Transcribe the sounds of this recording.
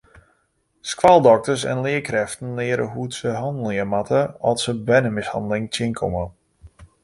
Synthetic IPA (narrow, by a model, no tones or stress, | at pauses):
skwalˠdɔk̚təsɛ̰nlɪəkrɛftən̩lɪəɾə̰ɦutsəɦɔndəl̩ˠɪəmatʰəɔlˠsəbɛnəmɪshɑndəlɪŋtɪnkʰomə